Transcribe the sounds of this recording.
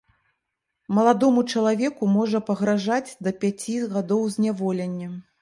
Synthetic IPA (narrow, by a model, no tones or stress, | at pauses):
mɐlˠad̪ɔmut͡ʂɐlˠavʲɛkumɔʐɐpɐɣɾaʐad͡zʲd̪ɐpʲat͡sʲiɣad̪ɔwzʲnʲavɔlʲɛnʲːɐ